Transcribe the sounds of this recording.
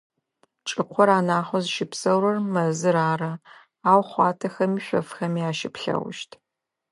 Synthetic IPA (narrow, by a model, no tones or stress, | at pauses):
t͡ʃʼɨqʷʰɔɾaːnaːχʷɔzɨʃɪpsɐwɾɐrmɐzɨɾaːɾɐ | aːwχʷɑːtʰɐxɐmiːɕʷɔ̰fxɐmiaːʃɪpɬɐ̰w̰ʷʃtʰ